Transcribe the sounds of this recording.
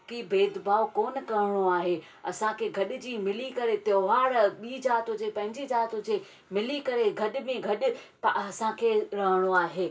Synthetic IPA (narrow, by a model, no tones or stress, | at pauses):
kibeːd̪bʱaːʋkoːnkɐɾɪɽ̃oaːɦe | ɐsãkʰeːɡʱɐɗɪd͡ʑiːmɪlikɐɾet̪joɦaːɽɓiːd͡ʑaːt̪õd͡ʑeːpɐ̃ɦɪ̃ɲd͡ʑid͡ʑaːt̪õd͡ʑeː | mɪlikɐɾeɡʱɐɗɪ̆mẽɡʱɐɗɪ | pɐsãkʰeɾɐɦəɽ̃oaːɦeː